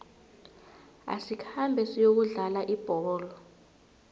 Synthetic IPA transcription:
a̰sikʰambʱɛsijok̬uɮalaʔib̥ʱɔːlɔ

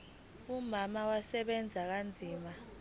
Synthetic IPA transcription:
umamawasɛɓɛnd͡zʱak̬and͡zʱiːma

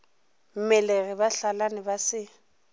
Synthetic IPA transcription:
m̩mɛleɣɪbaɬalanɪbasɪ

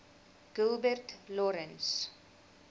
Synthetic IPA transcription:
ɡ̥ulˠbərtlɔɾəns

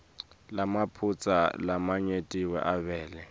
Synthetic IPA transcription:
lamapʰut͡sʼa̰lamaɲetʼiwɛ̰ʔaβɛːlɛ

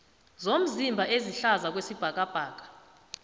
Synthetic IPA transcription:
zom̩zimbʱaʔeziɬazak̬wesib̥ʱak̬ʼab̥ʱaːk̬ʼḁ

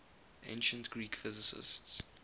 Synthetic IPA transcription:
ʔḛ̃nʃə̃ntɡ̥ɹiːkfɪzɪsɪ̰sts

